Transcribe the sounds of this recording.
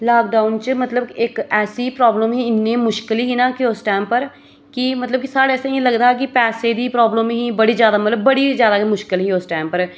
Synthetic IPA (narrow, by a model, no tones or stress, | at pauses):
laːk̚ɖaːʊnt͡ʃmət̪ləbɪkɛːsipɾɔːbləmɦĩɪnːẽːmʊʃkɪliːɦiːnãːkɪosʈɛːmpəɾ | kɪmət̪ləb̚kisaːɽeɛːsẽẽləɡd̪aːɦɛk̬ɪpɛːseːd̪iːpɾɔːbləmɦĩːbəɽiːzjaːd̪aːmət̪ləbːəɽizjaːd̪aːkimʊʃkɪlɦiːoːsʈɛːmpəɾ